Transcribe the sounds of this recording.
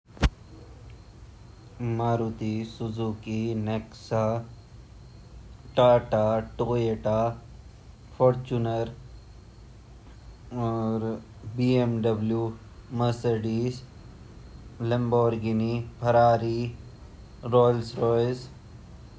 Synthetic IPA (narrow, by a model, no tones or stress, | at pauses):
maːɾut̪isuzuːkineksa | ʈaːʈaʈoːeʈaː | fʰoɾt͡ʃunɐɾ | ɾ | biemɖɐblju | mɐsɐɖis | lɐmboːɾɡinipʰɐɾaːɾi | ɾoːlsɾoːjz